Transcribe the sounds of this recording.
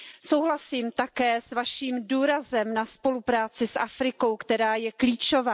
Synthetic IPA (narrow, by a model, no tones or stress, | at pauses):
sowɦlasiːmt̪akɛːsvaʃiːmduːɾazɛmnaspo̞lupɾaːt͡sɪsʔafɾɪko̞wkt̪ɛɾaːjɛkliːt͡ʃo̞vaː